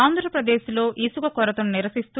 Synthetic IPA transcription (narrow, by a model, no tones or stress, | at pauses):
aːnd̪ʱɾɐpɾɐd̪eːslo̞ːʔʔiːsuɡɐkɔɾɐt̪ɐmniɾɐsist̪u